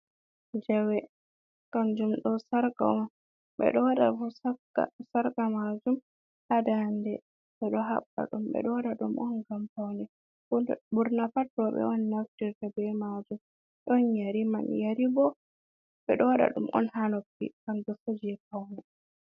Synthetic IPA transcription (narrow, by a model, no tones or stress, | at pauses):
d͡ʒɛwɛ | ɡ̥amd͡ʒumɗɔsaɾka̰ɔn | ɓɛ̰ɗɔwaɗa̰fusakːa̰saɾkamad͡ʒum | ʔadandɛ | ɓɛɗɔɦa̰ɓːa̰ɗumɓɛ̰ɗɔwɗaɗumʔɔnɡampawnɛ | buɾnafatːɔɓɛ̰ɔnːaftiɾtabɛmad͡ʒum | ɗɔnjaɾimanjaɾibɔ | ɓɛɗɔwaɗa̰ɗumʔɔ̰nhanopːḭkamd͡ʒɔsod͡ʒɛpawnɛ